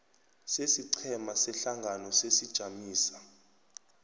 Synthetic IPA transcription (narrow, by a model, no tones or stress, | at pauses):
sesiǀʰɛmasɛɬaŋɡʱanɔsesid̥ʒ̥ʱamiːsḁ